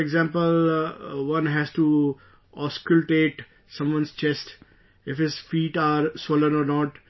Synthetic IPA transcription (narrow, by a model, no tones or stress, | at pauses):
eɡzãːmpəlʋʌ̃nɦɛsʈu | ɔːskʊlʈeːʈ | sʌ̃mʋʌ̃nst͡ʃɛsʈ | ɪfhɪzfiːʈaːɾsolə̃nɔːɾnɔːʈ